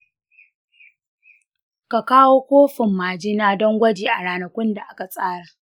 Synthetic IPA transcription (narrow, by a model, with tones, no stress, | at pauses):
ka˨kaː˦woː˦kʷoː˦ɸɪ˨mːaː˨d͡ʒɪ˦naː˦dɔ˦ŋɡʷɐ˦d͡ʒiː˨ʔa˨ɽaː˦nɐ˨kʷʊ˦nda˨ʔa˦ka˨sʼaː˦ɽaː˨